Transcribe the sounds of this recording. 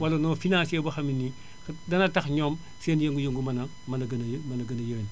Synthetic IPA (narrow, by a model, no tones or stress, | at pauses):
walɐnofinãːsebɐxɐmini | dɐnɐtaxɲoːm | senjeŋɡujeŋɡumɐnɐ | mɐnɐɡnmɐnɐɡɐnɐjiɾen